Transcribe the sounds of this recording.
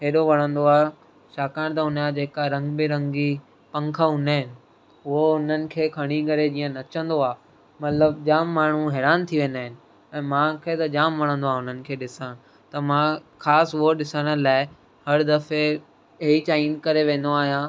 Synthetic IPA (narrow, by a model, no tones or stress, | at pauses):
ɦeːɗoʋɐɽ̤̃ə̃nd̪oaː | ʃaːkaːɽ̃t̪̬ɐʊnad͡ʑeːkaɾɐ̃ŋɡbɪɾɐ̃ŋɡd͡ʑiː | pɐ̃ŋkʰəʊnaɦɪnɪ̆ | ʊɦoʊn̤ənɪ̆kʰeːkʰɐɽ̃iɡɐɾed͡ʑiːə̃nɐt͡ɕə̃nd̪oaː | mɐt̪ləb̚d͡ʑaːmːaːɳ̤uɦɛːɾaːnt̪ʰiʋẽːnd̪aːɦɪnɪ̆ | ɛ̃ːmãːkʰeːt̪ɐd͡ʑaːmʋɐɽ̤̃ə̃nd̪oaːʊn̤ənɪ̆kʰeːɗɪsã | t̪ɐmãkʰaːsʊɦoɗɪsəɽ̃əlaːɪ | hɐɾd̪ɐfe | it͡ɕaːinkɐɾeʋẽːn̆d̪oaːɦijã